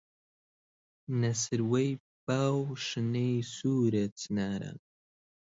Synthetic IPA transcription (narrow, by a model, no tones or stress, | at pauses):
nɐsɨɾwej | b̥awʂɨnejsuɾɐt͡sʰnaɾa̰